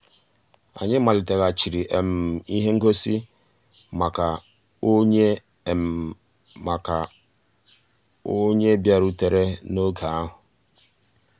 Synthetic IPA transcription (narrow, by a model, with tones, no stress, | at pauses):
a̰˨ɲɪ˦ma˨lɪ˨te˨ɣa˨t͡ʃi˨ɾi˨ʔe˨m̩˨i˦ɦe˦ŋ̩˦ɡo˦si˦ | ma˨ka˨ | o˦ɲe˦˨ | ma˨ka˨ | o˦ɲe˦bja˨ɾu˦te˨ɾe˦no˦ɡa˨a˦ɦʊ˨